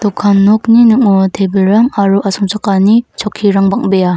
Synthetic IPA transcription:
t̪ɔkʰːanːɔk̚ninɯŋɔtʰebɯlɾaŋaɾuʔasɔŋsʰakanit͡ʃʰɔkʰːiɾaŋbaŋbeja

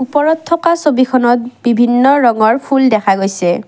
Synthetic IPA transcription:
upɔɹɔtʰːɔkasobikʰɔnɔt̚bibʱinːɔɹɔŋɔɹpʰuldɛkʰaɡojsɛ

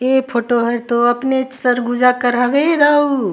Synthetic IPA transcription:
epʰoːʈoɦəɾt̪oɐpnet͡ʃsəɾɡud͡ʒakəɾɦəʋed̪aːu

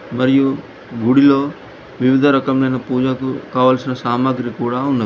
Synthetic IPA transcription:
mɐɾiju | ɡuɽiloː | ʋiʋɪd̪ʱɐɾɐkɐmleːnɐpuːd͡ʒakukaːʋɐlsunɐsaːmaːɡɾikuːɽaunːɐ

